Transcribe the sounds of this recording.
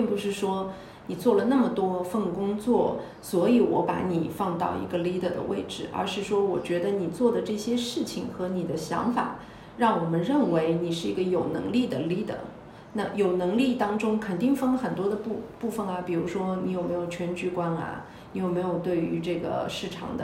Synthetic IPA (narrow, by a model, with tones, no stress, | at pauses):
pi˥˩ŋpu˧˩ʂɻ̩˥˩ʂwɔ˥ | ni˨˩t͡swɔ˥˩lə˩na˥˩mə˩t̪wɔ˥fə˥˩nkʊ˥ŋt͡swɔ˥˩ | swɔ˧˥i˧˥wɔ̰˧˥pa̰˧˥ni˨˩fɑ˥˧ŋt̪ɑ˥˩ʊḭ˧˥ɡə˧li˥d̪ə˨˩d̪ə̰˦wḛ˥˧ɪʈ͡ʂɻ̩˥˧˩ʔə̰˞˧˥ʂɻ̩˥˩ʂwɔ˥wɔ˨˩t͡ɕɥɛ˧˥d̪ə˧ni˨˩t͡swɔ˥˩d̪ə˩ʈ͡ʂɤ˥˩ɕjɛ˥ʂɻ̩˥˩t͡ɕʰi˨˩ŋxɤ˧˥ni˨˩d̪ə˦ɕjɑ̰˧˥ŋfa̰˨˩˦ | ɻɑ˥˩ŋwɔ˨˩mə˦nɻə˥˩nwe˧˥ɪni˨˩ʂɻ̩˥˩i˧˥ɡə˧jo˨˩ʊnɤ̰˧˥ŋli˥˩d̪ə˩li˥d̪ə̰˨˩ | na˥˩jo˨˩ʊnɤ˧˥ŋli˥˩t̪ɑ˥ŋʈ͡ʂʊ˥ŋkʰə˨˩nt̪i˥˩ŋfə˥˩ŋlə˧xə˨˩nt̪wɔ˥d̪ə˧pu˥˧pu˥˩fə˨˩nɐ˩pi˨˩ɻu˧˥ʂwɔ˥ni˧˥jo˨˩ʊme˧˥ɪjo˨˩t͡ɕʰɥɛ˧˥nt͡ɕy˧˥kwa˥nɐ̰˧˩ | ni˧˥jo˨˩ʊme˧˥ɪjo˨˩ʊt̪we˥˩ɪy˧˥ʈ͡ʂɤ˥˩ɡə̰˩ʂɻ̩˥˩ʈ͡ʂʰɑ̰˨˧˩ŋd̪ə̰˧˦